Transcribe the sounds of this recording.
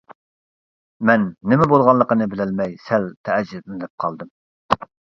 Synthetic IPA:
mɛnːɪmɛbolˠʁɑllːˠəqənɨbɪlɪlmɛjsɛlt̪ʰɛʔɛd͡ʒːɪdnɪd̪ɛp̚qʰɑlˠd̪ɨm

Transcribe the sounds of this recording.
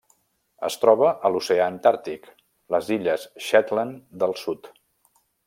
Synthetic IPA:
ə̰st̪ɾɔβəʔəluseaənt̪aɾt̪ik | ləziʎəsʃɛt̪lənd̪əlˠsut̪

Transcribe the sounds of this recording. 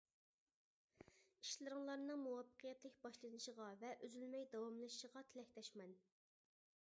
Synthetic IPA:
i̥ʃlɨɾɨŋlˠɑɾnɨŋmuwɑpʰːə̥qʰijɛt̪lɪkʲbɑʃlˠɨnɨʃəʁɑvɛʔøzylmɛjd̪ɑwɑmlˠɨʃʃəʁɑt̪ʰɪlɛkʲt̪ʰɛʃmɛn

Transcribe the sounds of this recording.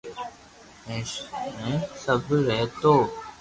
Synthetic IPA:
ẽːʃmẽsəbɾɛɦt̪oː

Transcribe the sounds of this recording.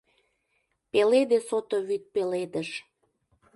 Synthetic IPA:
peled̪esot̪oβyt̪̚peled̪əʃ

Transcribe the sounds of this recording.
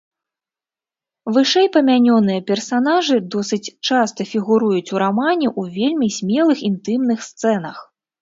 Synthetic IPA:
vɨʂɛjpɐmʲanʲɔnɨjɐpʲɛrsanaʐɨd̪ɔsɨt͡sʲt͡ʂast̪ɐfʲiɣuɾujut͡sʲuɾamanʲɛʔuvʲelʲmʲisʲmʲɛlˠɨxint̪ɨmnɨxst̪sɛn̪ɐx

